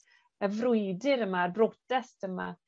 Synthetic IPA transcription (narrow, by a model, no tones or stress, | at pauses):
əvrʊjdɪɾəmarbrɔdɛstəma̰